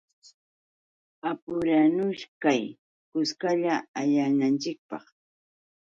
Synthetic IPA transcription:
apʊɾanʊʃkaj | kʊskaʎaaʎanant͡ʃɪk̚pɑ̰χ

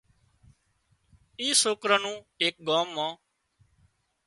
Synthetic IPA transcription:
iːsoːkɾãːnũːeːk̚ɡaːmːãː

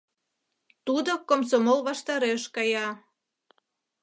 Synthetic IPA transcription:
t̪ud̪okomsomolβɑʃt̪ɑɾeʃkɑjɑ

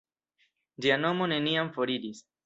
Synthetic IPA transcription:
d͡ʒiano̞mo̞ne̞niamfo̞ɾidis

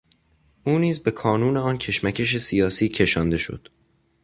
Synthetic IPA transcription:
ʔuːniːzbe̞kʰɒːnuːneɒːncʰe̞ʃmæcʰe̞ʃ̬e̞sijɒːsiːcʰe̞ʃɒːnd̪e̞ʃo̞̰d̪̥

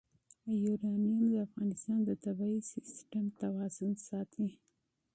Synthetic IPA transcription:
juɾɑmijund̪əafɣɑnɪst̪ɑnd̪ət̪abɑisɪsʈamt̪awɑzʊnsɑt̪ʰi

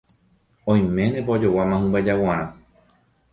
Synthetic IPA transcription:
õj̃mẽ̞nepaod͡ʒowamãɦũbad͡ʒawãɾ̃ã

